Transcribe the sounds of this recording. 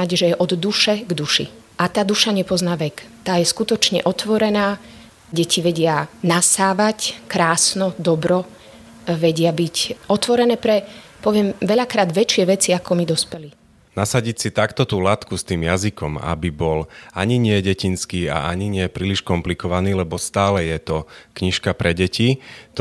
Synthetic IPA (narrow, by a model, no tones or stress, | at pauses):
aɟʒɛjɛʔɔd̪d̪uʃɛɡd̪uʃḭ | ʔat̪aːd̪uʃaɲɛpɔznaːʋɛkt̪aːjɛskut̪ɔt͡ʃɲɛ̰ʔɔt̪ʋɔɾɛnaː | ɟɛcʰiʋɛɟɪanasaːʋackɾaːsnɔd̪ɔbɾɔ | ʋɛɟɪabicɔt̪ʋɔɾɛnɛːpɾɛpɔʋɪɛmʋɛʎakɾaːd̪ʋɛt͡ʃɪɛʋɛt͡siakɔmid̪ɔspɛli | nasaɟicsit̪akt̪ɔt̪uːlat̪kust̪iːmjazikɔma̰bibɔlaɲiɲɪɛɟɛcinskiːa̰aɲiɲɪɛpɾiːliʃkɔmplikɔʋaniːlɛbɔst̪aːlɛjɛt̪ɔkɲiʃkapɾɛɟɛcit̪